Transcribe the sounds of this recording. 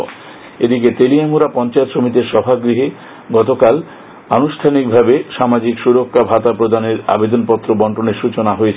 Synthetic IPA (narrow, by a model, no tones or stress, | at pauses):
ed̪ik̬et̪eliamuɾapɔnt͡ɕaet̪ʃomit̪eɾʃɔbʱaɡɾiɦe | ɡɔt̪okal | anuʃʈ̪ʰanik̚bʱabeʃamad͡ʑikʃuɾokʰːabʱat̪apɾod̪ʱaneɾa̰bed̪onpɔt̪ːɾobɔɳʈoneɾʃut͡ɕonaɦoet͡ɕʰ